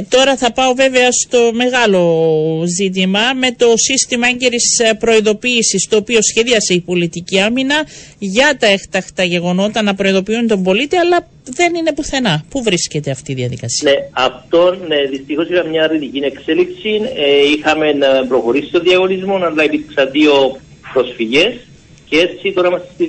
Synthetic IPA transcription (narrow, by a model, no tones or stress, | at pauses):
t̪o̞ɾɐθɐpɐo̞ve̞ve̞ɐst̪o̞me̞ɣɐlo̞zit̪̬imɐme̞t̪o̞sist̪imɐeɲɟe̞ɾispɾo̞iðo̞piːsist̪o̞ːpio̞sçe̞ðiɐseipo̞lit̪iciɐminɐʝɐt̪ɐext̪ɐxt̪ɐʝe̞ɣo̞no̞t̪ɐnɐpɾo̞iðo̞piunt̪o̞mbo̞lit̪iɐlɐ | ðe̞ninepuθe̞nɐpuvɾisce̞t̪e̞ɐft̪iːðiɐðḭkɐsineɐft̪o̞nːeðist̪ixo̞sixɐmɲɐɾlit̪icinekse̞lipsineixɐme̞nɐpɾo̞xo̞ɾisi̥t̪oðiɐɣo̞nizmonɐnlɐjt̪ipksɐðio̞ | pɾo̞sfiʝe̞s | cee̞t͡sit̪o̞ɾɐimɐst̪i̥st̪i